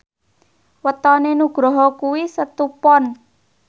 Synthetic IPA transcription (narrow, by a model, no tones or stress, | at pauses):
wət̪ɔnenuɡ̥ɾɔɦɔkuwisət̪upɔn